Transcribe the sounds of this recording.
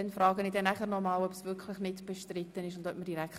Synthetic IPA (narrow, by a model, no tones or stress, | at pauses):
ɛnfrɑːɡənidɛnæχəɾnɔmɑːlœpsvʏkʰlɪχnɪtb̥ɛʃtrɪt̪ːənɪʃʊndœp̚məɾd̥iɾæk